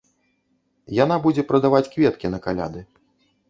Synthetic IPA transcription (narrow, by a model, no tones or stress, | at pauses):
janabud͡zʲɛpɾɐd̪avat͡sʲkvʲɛt̪kʲinɐkalʲa̰d̪ɨ